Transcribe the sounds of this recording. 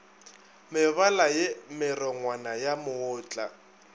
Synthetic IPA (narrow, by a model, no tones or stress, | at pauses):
mɪβalajɪmɪrɔŋwanajamʊʊːt͡ɬʼa̰